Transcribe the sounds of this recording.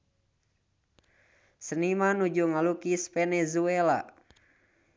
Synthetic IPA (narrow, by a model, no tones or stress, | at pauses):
sənimanud͡ʒuŋalukispɛnɛzuɛla̰